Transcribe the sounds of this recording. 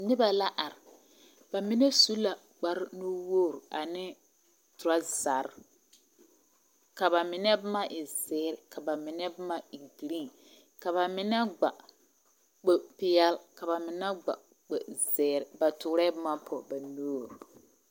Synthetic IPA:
nɪ˦ba˨la˦ʔa˨ɾɪ˨ | ba˨mɪ˦nɛ˦su˦la˨ | ɡ͡ba˨ɾno˦woː˦˨ɾa˨nɪ˦ | tʊ˨ɾa˦za˨ɾ | ka˨βa˨mɪ˨nɛ˦bma˦ʔɪ˨zɛː˦ɾɪ˨ka˨ba˨mɪ˨nɛ˦bma˦i˨ɡi˨ɾi˦˨ | ka˨βa˨mɪ˨na˦ɡ͡ba˨ | k͡pe˨pɪ˨jɛ˦lka˨ba˨mɪ˨na˦ɡ͡ba̰˨ | k͡pɛ˨zɛː˨ɾɪ˨ba˨tʊ˨˦ɾɛ˦bma˦pʰɔ˨ba˨no˦˨ɾ

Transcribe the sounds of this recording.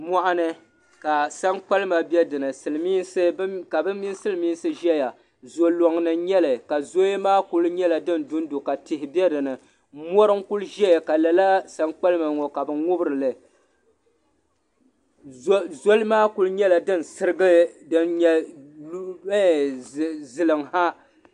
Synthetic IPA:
mɔ˦ʔa˦nɨ˦ | ka˨sa˦ŋk͡pa˦lɨ˦ma˨bɛ˦dɨ˨nɨ˨sɨ˨lmiː˦nsɨ˦ka˨bɨ˦mi˦sɨ˦lɨ˦miː˦n˦sɨ˦ʒɛ˦ja˨ | zo˨lo˨ŋnɨ˨ɲɛ˦lɨ˨ka˨zo˦maː˦kʊ˦lɲɛ˦la˨dɨ˦ndʊ˦n˦do˨ka˨tɪ˨hɪ˨bɛ˦dɨ˨nɨ˨˦ | mɔ˦ɾɨ˦ŋkʊ˦lʒɛ˦ja˨ka˨la˨la˦sa˦ŋk͡pa˦lɨ˦ma˨ŋɔ˨ka˨bɨ˨ŋʊ˦bɨ˦ɾɨ˨lɨ˨˦ | zo˦lmaː˦kʊ˦lɲɛ˦la˨dɨ˦n˨sɨ˦ɾɨ˦ɡɨ˦dɨ˦nɲɛ˦ | zɨ˨lɨ˨ŋha˦

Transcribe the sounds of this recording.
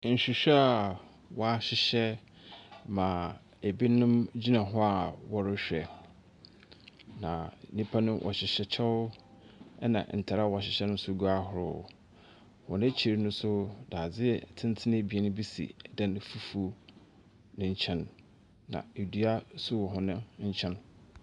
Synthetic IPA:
n̩˨ɕᶣi˨ɕᶣɛ˦a˨ | wɔ˦a˦˨ɕɪ˨ɕɛ˦ | mã˨ | e˨bi˦nʊ̃˦md͡ʑi˦nã˨ɦɔ˦a˨wɔ˦ɾʊ˦ɕᶣɛ˨ | nã˨nĩ˦pʰa˦nʊ̃˦wʔɔ̰˨ɕɪ˨ɕɛ˨t͡ɕʰɛ˦wʊ˦ | ɛ˦nã̰˨n̩˨tʰa˨ɾa˦wɔ˨ɕɪ˨ɕɛ˦nʊ̃˦sʊ˦ɡu˦a˦hʊ˨ɾʊ̰˨ | hʊ̃˨nɪ̃˦t͡ɕʰi˨ɾnʊ̃˦sʊ˦da˨d͡zɪ˦˨tʰɪ̃˦n˦tʰɪ˦nɪ̃˦˨bi˨ɛ˦nʊ̃˦bi˦sḭ˨dã˦n˦fu˦fu˦ | nʊ̃˨ɲ̩˦t͡ɕʰɛ̃˦nː | ã̰˨e˨du˦a˦sʊ˦wɔ˨ɦʊ̃˨nɪ̃˦ɲ̩˦t͡ɕʰɛ̃˦n

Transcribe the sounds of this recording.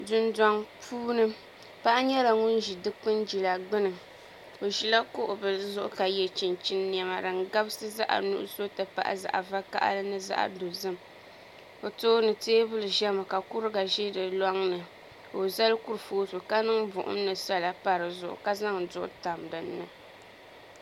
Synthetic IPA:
dʊ˦ndɔ˦ŋpʰuː˦nɨ˦ | pa˦ʔa˦ɲɛ˦la˨ŋʊ˦nʒi˨dɨ˦k͡pɨ˦nd͡ʒi˨la˨ɡ͡bɨ˦nɨ˨ | o˨ʒi˨la˦kʊ˦ʔʊ˨bɨ˨lɨ˦zʊ˦ʔʊ̰˦ka˨jɛ˨t͡ʃi˨nt͡ʃi˦nː˦i˨ɛ˨ma˨dɨ˨ŋɡa˦bɨ˦sɨ˦za˦ʔa̰˨nṵ˦ʔʊ̰˦so˦tɨ˨pa̰˨ʔa̰˨za̰˨ʔa̰˨va˦ka̰˦ʔa̰˦lɨ˦nɨ˦za̰˦ʔa̰˨do˨zɨ˦m | o˨toː˦nɨ˨teː˦bɨ˦lɨ˨ʒɛ˦ma˨ka˨kʊ˦ɾɨ˦ɡa˨ʒe˦dɨ˨lɔ˦ŋnɨ˨ | o˨za˦lku˦ɾfoː˦so˨ka˦nɨ˦ŋbʊ˨ʔʊ̰˦m˦nɨ˨sa˦la˨pa˨ɾɨ˨zʊ˨ʔʊ̰˨ka˦za˦ŋ˨dʊ˦ʔʊ̰˦ta˨m˨dɨ˨nːɨ˨

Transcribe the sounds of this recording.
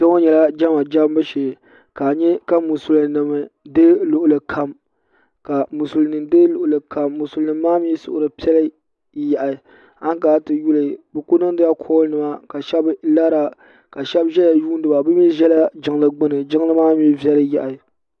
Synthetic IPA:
tɛ˦o˦ɲɛ˨la˦d͡ʒa˦ma˨d͡ʒa˦m˦bɨ˦ʃeː˨ | kaː˨ɲɛ˦ka˦mu˨su˨lɨ˨nɨ˨mɨ˨de˦lʊ˨ʔʊ˨lɨ˨kʰa˨m | ka˨mu˨su˨lnɨ˨mde˦lʊ˨ʔʊ˨lɨ˨ka˨mːu˨su˨lnɨ˨mː˦aː˦mi˦sʊ̰˨ʔʊ˨ɾɨ˨pi˦ɛ˦lɨ˦ | ja˨ʔa˨ | a˦ŋ˦kaː˨˦tɨ˨ju˦lɨ˨bɨ˨ku˦nɨ˦ŋ˦dɨ˦ja˦kʰɔː˦nɨ˨ma˦ka˨ʃɛ˦bla˦ɾa˨ | ka˨ʃɛ˦bʒɛ˦la˨juː˦n˦dɨ˨ba˨bɨ˦mi˦ʒɛ˦la˦d͡ʒɪ˦ŋ˦lɨ˨ɡ͡bɨ˦nɨ˨d͡ʒɪ˦ŋ˦lɨ˦maː˦mi˦vɛ˦lɨ˦ja˨ʔa˨

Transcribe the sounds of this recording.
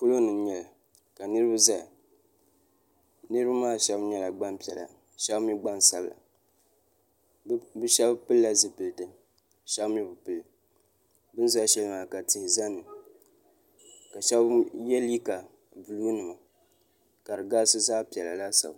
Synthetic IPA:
ku˦lo˦nɨ˨m˦ɲɛ˨la˨ | ka˨nɨ˦ɾɨ˦ba˦za˦˨ | nɨ˦ɾɨ˦ba˦maː˦˨ʃɛ˦bɲɛ˦la˨ɡ͡ba˦npi˨ɛ˨la̰˨ | ʃɛ˦bmi˦ɡ͡ba˦n˨sa˨bla̰˨ | bɨ˦ʃɛ˦bpɨ˦lla˦zɨ˨pɨ˨ltɨ˦ | ʃɛ˦bmi˦bɨ˨pɨ˨l | bɨ˦n˦za˦ʃɛ˦lɨ˦maː˨ka˨tɪ˨hɪ˨za˦nɨ˨ | ka˨ʃɛ˦bjɛ˦li˦ka˨ | bɨ˨luː˦nɨ˨ma˨ | ka˨ɾɨ˨ɡaː˦sɨ˦zaː˦pi˨ɛ˨la˨la˦sa̰˨b

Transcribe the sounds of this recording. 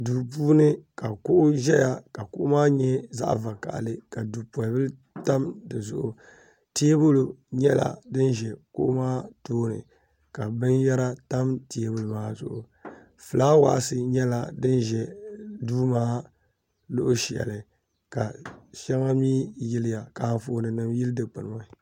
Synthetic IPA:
duː˨puː˦nɨ˦ka˨kʊ˦ʔʊ˦ʒɛ˦ja˨ka˨kʊ˦ʔʊ˦maː˦ɲɛ˦za̰˦ʔva˨ka̰˨ʔlɨ˨ka˨duː˨pɔ˨bɨ˦l | ta˦mdɨ˨zʊ̰˦˨ʔʊ˨ | ti˦e˦bʊ˦lu˨ɲɛ˦la̰˨dɨ˦nʒɛ˨kʊ̰˦ʔʊ˦maː˦toː˦nɨ̰˨ | ka˨bɨ˦njɛ˦ɾa˦ta˦mti˨˦e˦bu˦lu˨maː˦zʊ̰˨ʔʊ̰˨ | fɨ˨laː˦wa̰˨ʔsɨ˨ɲɛ˦la˨dɨ˦nʒɛ˨duː˦maː˦ | lʊ˦ʔʊ˦ʃɛ̰˨lɨ˨ | ka˨ʃɛ˦ŋa˦miː˦jɪ˦lɪ˦ja˨ka˨ɱfoː˦˨˦nɨ˨nɨ˨mjɪ˦ldɨ˨k͡pɨ˨nɨ˨ma˦˨

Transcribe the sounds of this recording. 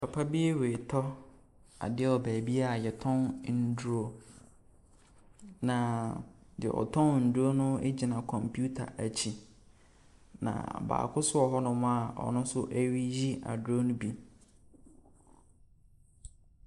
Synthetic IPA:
pʰa˨pʰa˦bi˦e˦we˨tʰɔ˦ | a̰˨dɪ˦ɔ˨bæː˨bi˦a˨jɛ˨tʰɔ̃˦nn̩˨˦du˦o˦ | nã˨dɪ̰˨ʔɔ̰˨tʰɔ̃˦nn̩˨du˦o˦nʊ̃˦e˦d͡ʑi˨nã˨kʰɔ̃˨mpʰju˦tʰa̰˨ʔæ˨t͡ɕʰi˨ | nã̰˨ba̰ː˨kʰʊ˦sʊ˦ɔ˨ɦɔ˦nʊ̃˦mʊ̃˦a˨ɔ̰˨nʊ̃˦sʊ˦ʔæ˦ɥi˦ji˦ʔa̰˨dʊ˨o˦nʊ̃˦bi˨

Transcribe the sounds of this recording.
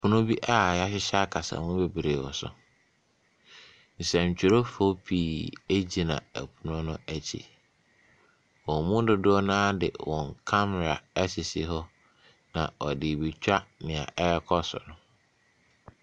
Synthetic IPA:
pʰʊ̃˦nʊ̃˦bi˦ʔa˦˨ja˦ɕɪ˦ɕa˦kʰa˨sa̰˨mʊ̃˦be˨bɾeː˨wɔ̰˨sʊ̰˨ | n̩˨sɛ̃˨ɲ̩˨t͡ɕᶣɪ˨ɾo˦fo˦pʰiː˨e˦d͡ʑi˨nã̰˨æ̰˨pʰu˨nʊ̃˦nʊ̃˦æ˦t͡ɕʰḭ˨ | wɔ̃˨mʊ̃˦dɪ˦dʊ˦ɔ˦nãː˦dɪ̰˨wɔ̃˨ŋkʰa˦mɛ˨ɾa˨ɛ˦sɪ˨sɪ̰˨ɦɔ˦ | nã˨ɔ˨dɪ˨bi˨t͡ɕᶣa˦nɪ̃˨ã̰˨ʔɛ˦ɾɛ˦kʰɔ˦sɔ̰˨nʊ̃˦

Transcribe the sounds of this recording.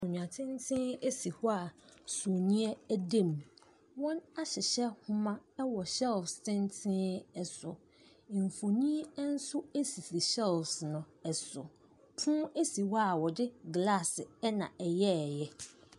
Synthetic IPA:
ɔ̃˨ɲᶣũ˨ã˨tʰɪ̃˦n˦tʰɪ̃˦e˦si˨hɔ˦a˨so˨nĩ˦ɛ˦æ˦dẽ˦˨m | wɔ̃˦na˦ɕɪ˨ɕɛ˦hʊ̃˦mã˦ɛ˦wɔ˨ɕɛ˦lfstʰɪ̃˦ntʰɪ̃˦ɛ˨sʊ˨ | m˨fo˨nĩ˦n̩˦sʊ˦e˦si˨si˨ɕɛ˦lfsnʊ̃˨ | ɛ˨sʊ˨ | pʰũː˦e˦si˨wɔ˦a˨wɔ˨dɪ˦ɡla˦˨sɪ˨ɛ˦nã̰˨ɛ˨jɛ˦˨jɛ˦

